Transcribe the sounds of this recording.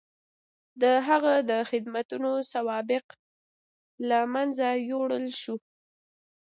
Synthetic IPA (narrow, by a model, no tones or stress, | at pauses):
d̪əɦaɣad̪əxɪd̪mat̪unosawɑbɪq | lamanzajoɽəlʃu